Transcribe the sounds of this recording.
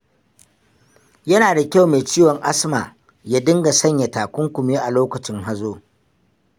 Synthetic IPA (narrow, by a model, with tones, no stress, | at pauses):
jɐ˦naː˨da˨kʲa˦˨wmeː˨t͡ʃiː˦wɔ˨ŋʔa˦smaː˨ | jaː˦dɪ˦ŋɡa˨sɐ˦ɲja˨taː˨kʷʊ˦ŋkʷʊ˨m˦eː˦ʔa˨loː˦kɐ˨t͡ʃɪ˦ŋɦa˦zoː˦